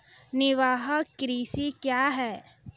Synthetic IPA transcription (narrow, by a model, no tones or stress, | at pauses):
nɪʋaːɦəkːɾiːsikjaːɦɛː